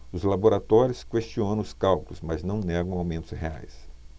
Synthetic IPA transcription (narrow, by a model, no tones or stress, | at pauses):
ʊzlaboɾat̪ɔɾjʊskwest͡ʃiõnɐ̃ʊskawkʊlʊzmɐznɐ̃w̃nɛɡɐ̃w̃awmẽnt̪ʊ̥szɦea̰js